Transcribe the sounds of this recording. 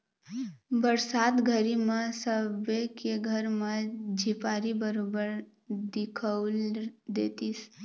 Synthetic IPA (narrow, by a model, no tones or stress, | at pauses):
bəɾsaːt̪ɡʱəɾimãsəbekeɡʱəɾmãd͡ʒʱipaɾibəɾobəɾ | d̪ɪkʰəld̪et̪is